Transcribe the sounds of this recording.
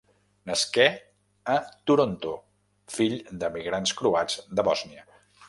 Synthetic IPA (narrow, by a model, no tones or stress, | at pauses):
nəskɛ | ət̪uɾont̪o | fiʎd̪əmiɣɾanskɾuaz̥d̪əβɔzniə